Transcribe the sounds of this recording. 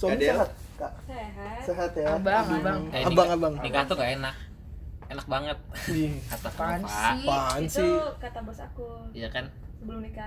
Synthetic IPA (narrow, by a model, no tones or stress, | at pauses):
sɔndieɦat̪̚ka | seɦat̪jaabaŋbaŋɛabaŋabaŋnikat̪ukaʔenak̚ | enak̚baŋət̪̚dikat̪afanapansikat̪abɔsakujakan | səbəlumika